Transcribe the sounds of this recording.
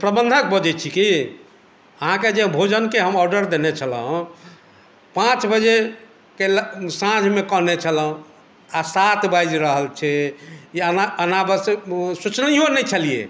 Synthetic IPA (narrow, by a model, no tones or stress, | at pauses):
pɾəbə̃nd̪ʱək̚bəd͡ʒɛt͡ʃʰiki | əɦãked͡ʒebʱod͡ʒənkeɦəmɔɾɖəɾd̪enet͡ʃʰələɦũ | pãt͡ʃbəd͡ʒe | kelsãd͡ʒʱmekəɦnet͡ʃʰəlũ | asat̪bajd͡ʒɾəɦəlt͡ʃʰɛiənaənabəsesut͡ʃnionɛt͡ʃʰəlijḛ